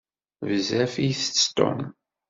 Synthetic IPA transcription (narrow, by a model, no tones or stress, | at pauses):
vzæfiθst̪ʊ̰n